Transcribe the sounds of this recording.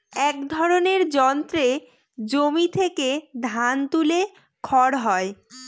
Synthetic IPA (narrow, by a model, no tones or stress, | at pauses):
ɛkd̪ʱɔɾoneɾd͡ʑɔnt̪ɾe | d͡ʑomit̪ʰeked̪ʱant̪ule | kʰɔɾɦɔe